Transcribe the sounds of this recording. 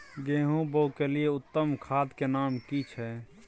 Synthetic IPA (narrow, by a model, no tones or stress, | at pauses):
ɡeːɦũboukelijeʊt̪ːəmkʰaːd̪kenamkit͡ʃʰɛ